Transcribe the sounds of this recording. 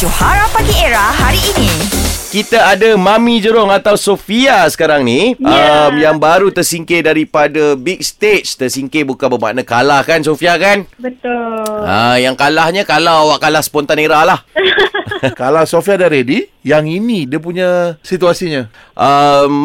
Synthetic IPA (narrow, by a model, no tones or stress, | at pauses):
d͡ʒohaɾahpaɡieɾahɦaɾiːnikit̪aadamamid͡ʒəɾʊŋat̪awsofiasə̥kaɾaŋniʔəmjaŋbaɾut̪ərsiŋkedaɾipadabik̚st̪et͡ʃt̪ərsiŋkebukanbəma̰ʔnakalahkansofiakanbət̪ʊlajaŋkalahɲəkalawawaʔkalahspɔnt̪aneɾahlah | kalawsofiadaɾedijaŋinĩdiəp̬uɲãsit̪uasiɲə̃ | ʔəm